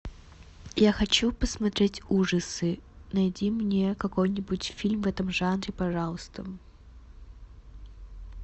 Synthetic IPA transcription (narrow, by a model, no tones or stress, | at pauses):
jaxɐt͡ɕupəsmɐt̪ɾʲetʲuʐəsɨnɐjdʲimnʲekɐko̞jnʲɪbʊtʲfʲilʲmvɛt̪əmʐanɾʲɪpɐʐɑlˠəst̪ə